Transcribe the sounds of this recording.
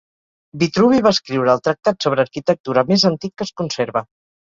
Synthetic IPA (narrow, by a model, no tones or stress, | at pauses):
bit̪ɾuβiβaəskɾiwɾəːlˠt̪ɾək̚t̪at̪soβ̞ɾəːɾkit̪ək̚t̪uɾəmezənt̪ikːəskunseɾβə